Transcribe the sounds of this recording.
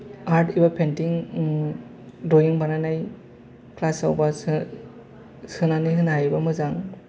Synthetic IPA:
aɾtʰibapʰentiŋ | dojuŋbananaj | klasawba | sɯnanɯjɦɯnɦajbamɯzaŋ

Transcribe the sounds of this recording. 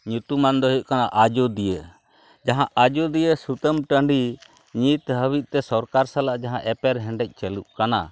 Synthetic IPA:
ɲut̪umand̪ɔɦuʔ̚kanaʔad͡ʒɔd̪ijə | d͡ʒaɦãʔad͡ʒɔd̪ijəsut̪əmʈəɳɖi | ɲit̪ɦəwit̪̚ˀt̪ɛsɔɾkaɾsalaʔd͡ʒaɦãʔɛpɛɾɦɛ̃ɳɖɛc̚ˀt͡ʃɛluʔ̚kana̰

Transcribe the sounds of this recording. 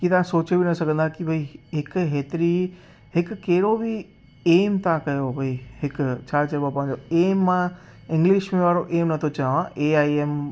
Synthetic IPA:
kit̪ãsot͡ʃobinəsəkə̃nd̪ãkibʱəiɦekɦet̪ɾi | ɦekkeɾobʱi | emt̪ãkəjobʱəiɦekt͡ʃʰat͡ʃəɾbapãd͡ʒoemːã | ɪ̃ŋɡliʃmẽʋaɾoʔemnət̪ʰot͡ʃəʋãʔeaiem

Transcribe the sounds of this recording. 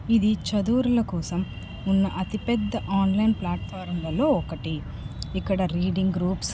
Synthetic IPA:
id̪it͡ʃɐd̪uːɾulɐkɔːsɐm | unːɐʔɐt̪ipɛd̪ːɐʔaːnlɐjnplaːʈ̚pʰaːɾmlɐlo̞ːɔkɐʈi | ikːɐɽɐɾiːɖiŋɡɡɾuːps

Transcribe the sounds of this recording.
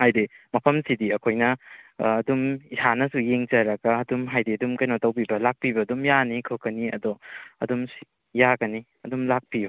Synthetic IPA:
hajdimɐpʰɐmsidiɐkʰojnɐː | dumisanɐsujeŋd͡ʒɐɾɐɡɐɐdumɦajdiɐdumkɐjnɔtɐwpibɐlak̚pibɐdumjanikʰɯkɐniɐ̰dɔɐ̰dumsi | jaɡɐni | ɐdumlak̚piju

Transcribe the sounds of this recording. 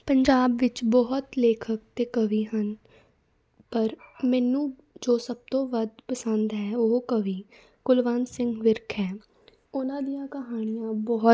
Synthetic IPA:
pəɲd͡ʒaːbʋɪt͡ʃbɔːt̪leːkʰək̚t̪eːkəʋiːɦən | pəɾmɛːnũː | d͡ʒoːsəb̚t̪õːʋəd̪pəsənd̪ɦɛːoɦkəʋiː | ɡ̥ʊlʋaːnsɪŋɡʋɪɾkʰɦɛː | ʊnãːd̪ijãːkəɦaːɽ̃ɪjãːbɔː

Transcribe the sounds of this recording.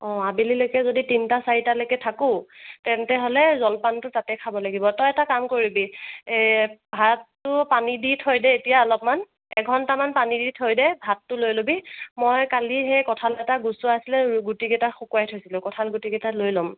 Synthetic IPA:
ɔ̃abililojkɛzoditintasaɹitalojkɛtʰakʊ̃tɛntɛɦolɛzɔlpantʊtatɛkʰabɔlaɡibɔtɔjɛtakamkoɹibi | bʱatː | ʊpaniditʰojdɛetijaɔlɔp̚man | ɛ̰ɡʱɔntamanpaniditʰojdɛbʱatːʊlojlobimojkalixejkɔtʰalɛtaɡusʊasilɛɡutiɡɛtaxukuajtʰojsilʊ̃kɔtʰalɡutiɡɛtalojlɔm

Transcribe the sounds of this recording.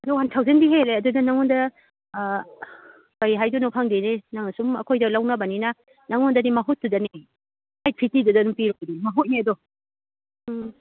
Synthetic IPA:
ɐdɔwantʰawzendiɦeɾeɐdudɐnaŋɔndɐ | kajɦajdunɔpʰaŋdenenaŋasumɐ̰kʰojdɐlawnɐbɐninɐ | naŋɔndɐnimɐɦut̚ːudɐni | aj̚pʰitidudanumpiɾojdimɐɦut̚niɐdɔ

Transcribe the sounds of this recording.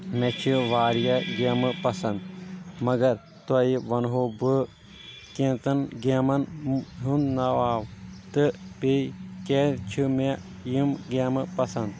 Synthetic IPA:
met͡ʃʰiʋaːɾjɐɡemɨpɐsɐnd̪mɐɡɐɾ | t̪ɐiʋɐnɦoːbɨ | kẽːnt̪ɐnɡemɐnɦunnɐʋaːʋt̪ɨpeket͡ʃʰime | jimɡemɨpɐsɐnd̪

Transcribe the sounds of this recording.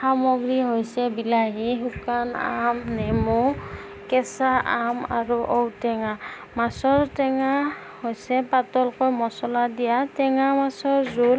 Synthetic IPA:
xamɔɡɹiɦojsɛbilaɦiɦukana̰mnɛmu | kɛsaʔama̰ɹuʔowtɛŋa | masɔɹtɛŋa | hojsɛpatɔlkɔjmɔsɔladijatɛŋamasɔɹzul

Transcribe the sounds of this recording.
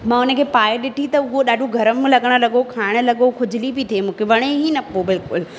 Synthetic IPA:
mãːʊnə̆kʰeːpaːjeɗɪʈʰit̪ɐʊɦoɗaːɖʱoɡʱɐɾəm̃lɐɠəɽ̃ə̆lɐɠokʰaːɪɽ̃ə̆lɐɠokʰʊd͡ʑʱɪlibit̪ʰemũːkʰeʋɐɽ̃eɦinɐpobɪlkʊl

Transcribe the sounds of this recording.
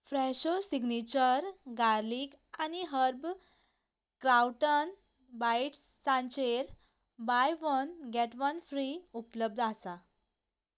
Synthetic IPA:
fɾɛɕosiɡnit͡ɕəɾɡaɾlikaniɦəɾb | kɾawʈən | bajiʈsãnt͡ɕeɾ | bajʋənɡɛʈʋənfɾiupləb̚d̪ʱasa

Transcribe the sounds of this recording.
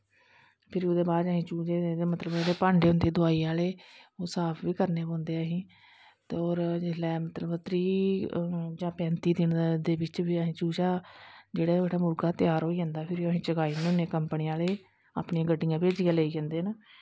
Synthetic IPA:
pʰɪɾoːd̪eːbaːd̪əɦĩːt͡ʃuːd͡ʒeːed̪eːmət̪ləbeːɽeːpãːɳɖeːʊ̃nd̪eːd̪ʊaːiːaːleːoːsaːpʰʋiːkəɾneːbõːnd̪eːaːɦĩː | t̪eoːɾd͡ʒɪlɛːmət̪ləbt̪ɾiː | d͡ʒãːpɛ̃ːnt̪iːd̪ɪnd̪eːbɪt͡ʃʋiːəɦĩːt͡ʃuːd͡ʒaːd͡ʒeːɽaːeɽaːmʊɾɡaːt̪ɪjaːɾoːiːd͡ʒãːnd̪aːpʰɪɾoːəɦĩːt͡ʃəkaːiːnːʊnːeːkəmpniːaːleː | a̰ːpniːãːɡəɖɪjãːpeːd͡ʒiːaːləiːkɛ̃ːnd̪eːnaː

